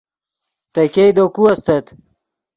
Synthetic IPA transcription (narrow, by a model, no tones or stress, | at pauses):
t̪ɐjkejd̪okuɐst̪ɐt̪